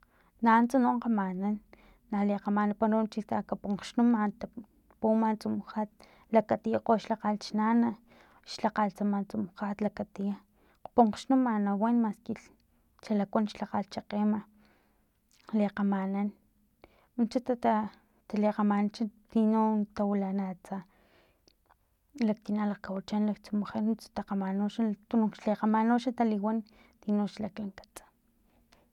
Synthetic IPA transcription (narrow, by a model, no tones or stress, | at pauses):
nant͡sunoɴqamananː | aleqamanapaɾont͡ʃit̪akapuɴqʃnumant̪a | pumant͡sumxat̪̚ | lakat̪ijaqoʃlaqalt͡ʃnana | ʃlaqalt͡samant͡sumxat̪lakat̪ija | qpuɴqʃnumanawenmaskiɬ | t͡ʃalakʷanʃlaqalt͡ʃaqema | leqamanan | unt͡ʃat̪aa | t̪aleqamant͡ʃat̪inot̪awilanat͡sa | lak̚t̪inalaqkawat͡ʃanlakt͡sumoχenut͡sḁt̪aqamanoʃat̪unuŋʃleqamanoʃat̪aliwan | t̪inoʃlaklaŋkḁt͡sḁ